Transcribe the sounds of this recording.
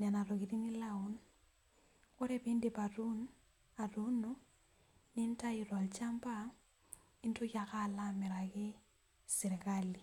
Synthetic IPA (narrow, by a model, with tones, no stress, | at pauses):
na˨na˨ɾo˨ki˨ɾi˦ni˦lau˨n | kʊ˦ɾe˦pi˦ndi˨pa˨ɾu˦n | a˨ru˦nu˦ | ni˦n˦ta˦i˨ɾɔ˨lt͡ʃa˦mba˦ | i˦ntu˦ka˨ka˦la˦mɪ˨ɾa˨kɪ˦ | sɪ˨ɾi˨kali˨